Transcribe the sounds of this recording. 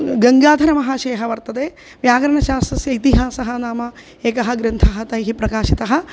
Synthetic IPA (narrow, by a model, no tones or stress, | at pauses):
ɡɐŋɡaːd̪ʱɐɾɐmɐɦaːʃɐjɐɦɐʋɐɾt̪ɐd̪eː | ʋjaːɡɐɾɐɳɐʃaːst̪ɾɐsjɐit̪iɦaːsɐɦɐnaːmɐ | eːkɐɦɐɡɾɐnt̪ʰɐɦɐt̪ɐjɦipɾɐkaːʃit̪ɐɦɐ̆